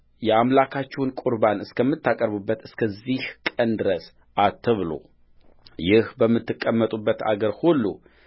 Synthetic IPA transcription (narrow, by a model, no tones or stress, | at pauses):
jɛamlakʰat͡ʃːɛwnkʼuɾbanɨskʰəmːɨt̪ʰːakʼəɾβɨbːət̪ɨskʰəzːihkʼənd̪ɨɾəs | ʔat̪ʰːəβlo̰ | jɪhbəmːɨt̪ːɨkʼːəmːət̪ʼubːət̪ʰa̰ɡəɾhulːu